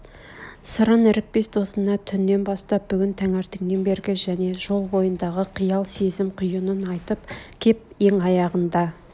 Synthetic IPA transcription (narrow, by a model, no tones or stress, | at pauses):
səɾɑnɪɾɪk̚pe̞sd̪o̞sənɑt̪ʰʏnːe̞nbɑst̪ɑp̚bʏɡʲɪnt̪ʰæŋæɾt̪eŋnembe̞ɾɡʲɪʒæne̞ʒo̞lˠbo̞jənd̪ɑʁəqʰijɑlˠse̞zɪmqʰʊjənənɑjt̪əpkʲʰe̞p̚ | e̞ŋɑjɑʁənd̪ɑ